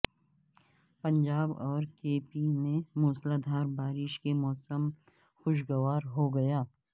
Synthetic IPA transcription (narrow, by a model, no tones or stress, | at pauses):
pɐ̃ɲd͡ʒaːbɔːɾkeːpinẽmoːslad̪ʱaːɾbaːɾɪʃkemɔːsəm | xʊʃ̬ɡɐʋaːɾɦoɡɐjaː